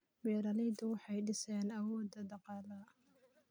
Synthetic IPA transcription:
bɛːɾɐlɛjd̪ʊwɑħɑjɖɪsɛːnɐwɔːd̪ːɐd̪ɑqɑːlɐ

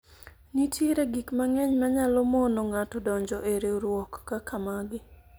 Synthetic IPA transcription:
nitʰeɾeɡikmaŋɛɲmaɲalɔmonɔŋatɔdɔɲd͡ʒɔʔeɾeɾwɔkːakamaɡɪ

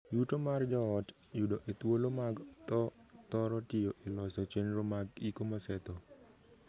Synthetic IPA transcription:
jutomard͡ʒɔɔt | judoʔet̪wolomaɡt̪ɔt̪ɔɾɔtɪjoʔelɔsɔt͡ʃenɾomaɡikomɔsɛt̪ɔ

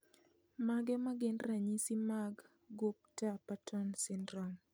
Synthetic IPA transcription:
maɡɛmaɡɪnɾaɲisimaɡː | up̚tapatʰɔnsɪndɾɔn

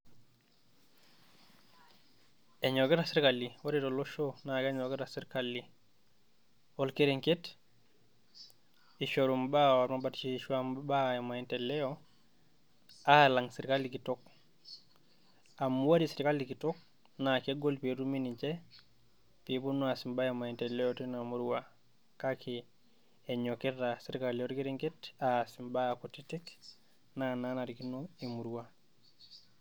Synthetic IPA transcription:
eɲoketasiɾkaliwoɾitolːoʃonakeɲoketasiɾkalːi | wolkeɾeŋket | iʃoɾumbawalmabatt͡ʃiʃuambaemaintelɛjo | alaŋsiɾkalːikitok | amuwaɾisiɾikalikitok̚ | nakeɡolpeɾuminit͡ʃe | pibunuasimbajemaintelɛjotinamuɾuwa | kakʰi | eɲoketasiɾkalioɾikiɾiŋketasimbakotitik | nananaɾikinoimuɾuwa

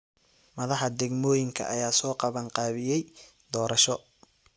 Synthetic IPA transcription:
mɐðɑħɑd̪ɛɡmɔːjɪŋkʰɐ̰ʔɐjaːsɔːqɑβɐɴqɑːβɪjɛj | d̪ɔːɾɐʃɔ

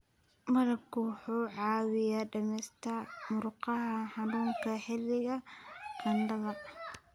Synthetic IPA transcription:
mɐðɐbkʰʊwɑħuːʕɑːwɪjaːɖɐmɛːst̪ʰamʊrqɑɦɐħɑnuːŋkʰɐħɪlːɪɣɐqʰɐnɖɐðɐ

